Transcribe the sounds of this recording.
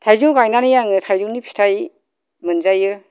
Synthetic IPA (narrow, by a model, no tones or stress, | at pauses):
tʰajzuwkajnanɯjaŋɯtʰajzuwnipʰi̥tʰaj | mɯnzajɯ